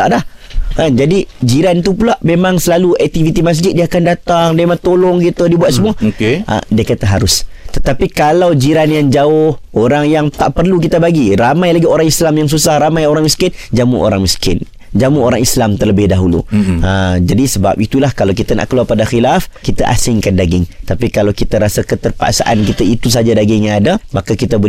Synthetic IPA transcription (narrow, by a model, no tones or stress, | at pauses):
aʔdahkand͡ʒadid͡ʒiɾant̪upulaʔmemãŋsəlaluɛk̚t̪ifit̪imas̬d͡ʒɪt̪̚diəakandat̪aŋdemat̪olɔŋɡit̪udibuat̪̚səmuəkʔdiəkat̪əɦaɾʊst̪ət̪apikalawd͡ʒiɾanjaŋd͡ʒaʊhoɾaŋjaŋt̪a̰ʔpərluk̬it̪əbaɡiramãjlaɡioɾaŋislamjaŋsusahramãjoɾaŋmiskɪnd͡ʒamuʔo̰ɾaŋmiskɪ̰n | d͡ʒamuoɾaŋislamt̪ərləbɪhdaɦulṵəd͡ʒadisəba̰p̚it̪ulahkalawkit̪ana̰ʔkəluarpadaxilafkit̪aʔa̰sɪŋkandaɡɪŋt̪apikalawkit̪aɾasəkət̪ərpa̰ʔsa̰ʔankit̪ait̪us̬ad͡ʒadaɡɪŋjaŋadamakakit̪abo